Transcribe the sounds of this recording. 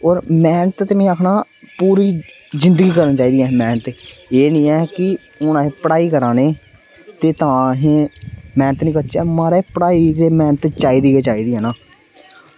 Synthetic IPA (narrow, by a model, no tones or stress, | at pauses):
ɔːɾmɛːnət̪t̪emẽːakʰnaː | puːɾiː | zɪ̃nd̪əɡiːkəɾənt͡ʃaːiːd̪iɛ̃ːmɛːnət̪eeːnĩːɛːkɪ | ʊnaɦẽːpəɽaːiːkəɾãːneː | t̪eːt̪ãːɦẽːmɛ̃ːnət̪nĩːkətːt͡ʃɛːmaːɾeːpəɽaːiːt̪eːmɛːnət̪t͡ʃaːiːd̪iːeːt͡ʃaːiːd̪iːɦɛ̃ːnaː